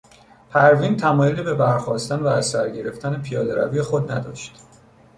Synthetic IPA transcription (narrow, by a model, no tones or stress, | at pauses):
pʰæɾvint̪ʰæmɒːjelibe̞bæɾxɒːst̪ænvæːsæɾɟe̞ɾe̞ft̪ʰænepʰijɒːd̪eɾæ̰vijexod̪næd̪ɒ̰ːʃt̪